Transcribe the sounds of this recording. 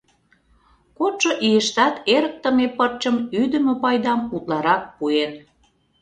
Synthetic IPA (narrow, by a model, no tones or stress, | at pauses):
kot̪ʃŏʔijəʃt̪ɑt̪eɾək̚t̪ə̆mepərt͡ɕəmyd̪əmøpɑjd̪ɑmut̪lɑɾɑk̚puen